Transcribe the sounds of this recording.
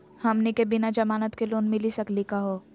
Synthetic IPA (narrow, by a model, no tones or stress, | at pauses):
hɐmnekebɪnad͡ʒɐmaːnət̪keloːnmɪlisɐklikaɦoː